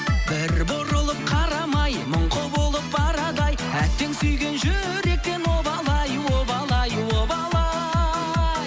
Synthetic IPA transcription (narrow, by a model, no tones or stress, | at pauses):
bɪɾboɾəlˠəp̚qʰɑɾɑmɑjmʊɴqəbolˠəp̚bɑɾɑd̪ɑj | æt̪ːe̞ŋsʏjɡʲe̞nʒʏ | ɾe̞k̚t̪e̞nwobɑlˠɑjwobɑlˠɑjwobɑlˠɑ